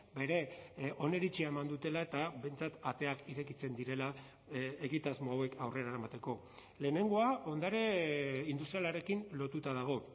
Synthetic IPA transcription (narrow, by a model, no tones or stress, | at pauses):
be̞ɾe̞ʔo̞ne̞ɾit͡ʃiae̞mand̪ut̪e̞lae̞t̪abe̞jnt͡sat̪at̪e̞akiɾe̞kit͡se̞nd̪iɾe̞la | eɣit̪azmoawe̞kʰawre̞ɾaɾamat̪e̞ko̞ | le̞ːne̞ŋɡo̞ao̞nd̪aɾe̞ind̪ust̪ɾialaɾe̞kinlo̞t̪ut̪aðaɣ̞o̞